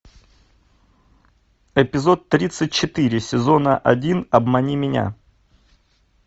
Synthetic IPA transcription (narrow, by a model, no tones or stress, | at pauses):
ɪpʲɪzo̞t̪ːɾʲit̪sɨt̚ʲt͡ɕɪt̪ɨɾʲɪsʲɪzo̞nəʔɐ̰dʲinɐbmɐnʲimʲɪnʲa̰